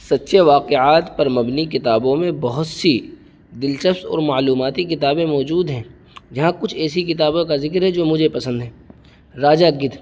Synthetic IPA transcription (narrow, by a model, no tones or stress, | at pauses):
sɐt̪ːʃʰeʋaːqeaːt̪pɐɾmɐbnikɪt̪aːbõmẽbɐɦʊt̪si | d̪ɪlʃəfsɔ̰ːɾmaːluːmaːt̪ikɪt̪aːbẽmɔːd͡ʒuːd̪ɦɛ̃ː | d͡ʒɐɦãkʊt͡ʃʰɛːsikɪt̪̬aːbõkazɪkɾɦɛd͡ʒoːmʊd͡ʒʱepɐsə̃nd̪ɦɛ̃ː | ɾaːd͡ʒaɡɪt̪ʰ